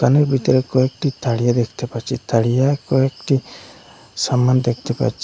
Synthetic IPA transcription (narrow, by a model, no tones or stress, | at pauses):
kanɔɾbʱit̪ɔɾɛkɔɛk̚ʈit̪aɽijad̪ɛkʰt̪ɛpat͡ʃit̪ʰaɽijakɔɛk̚ʈi | samand̪ɛkʰt̪ɛpa̰t͡ʃi